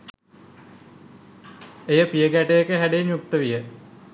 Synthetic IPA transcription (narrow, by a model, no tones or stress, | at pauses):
ejəpijəɡæʈejekəɦæɖejɲjuk̚t̪əʋijə